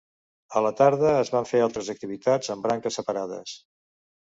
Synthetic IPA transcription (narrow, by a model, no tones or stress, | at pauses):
ələt̪aɾðəːzβaɱfealˠt̪ɾəzək̚t̪iβ̞it̪ad͡zəmbɾaŋkəsəpəɾaðə̰s